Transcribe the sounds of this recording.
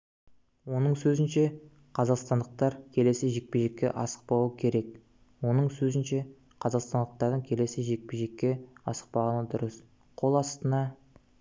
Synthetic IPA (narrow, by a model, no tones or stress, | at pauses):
wo̞nəɴsɵzɪnʃe̞ | qʰɑzɑqst̪ɑnd̪əq̚t̪ɑɾkʲʰe̞le̞sɪʒe̞k̚peʒe̞kʲːe̞̰ʔɑsə̥q̚pɑwəkʲʰe̞ɾe̞k | wo̞nəɴsɵzɪnʃe̞ | qʰɑzɑqst̪ɑnd̪əq̚t̪ɑɾd̪əɴkʲʰe̞le̞sɪʒe̞k̚peʒe̞kʲːe̞ɑ̰sə̥q̚pɑʁənəd̪ʊɾəs | qʰo̞lˠɑst̪ənɑ